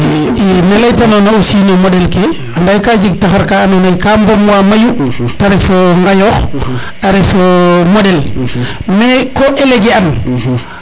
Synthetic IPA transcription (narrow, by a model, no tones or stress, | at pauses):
inelajtanonaosiːnomodɛlke | andajkaːd͡ʒiɡ̚taxaɾkaːnonajkaːmbomwaːmajutaɾefoŋɡajoːx | aɾefomodel | mekoʔeleɡian